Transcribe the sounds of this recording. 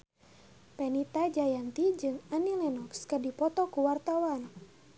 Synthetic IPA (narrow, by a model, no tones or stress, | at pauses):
pɛnit̪ad͡ʒajant̪id͡ʒɨŋanilɛnɔkskədipɔt̪ɔkuwart̪awan